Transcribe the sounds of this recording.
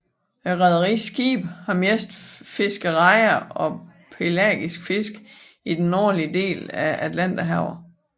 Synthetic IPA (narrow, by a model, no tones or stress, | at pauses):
ʁɑðˠɐʁḭːsɡ̥ḭːb̥hɑ̈mesd̥fe̝sɡ̥əʁɑ̈ɪɐɒ̽pʰe̝læ̰ɡ̥isɡ̥fe̝sɡ̥ | id̥enɒ̰ːliəd̥e̝̰ːlæʔæd̥læn̰d̥æɦɑʊɐ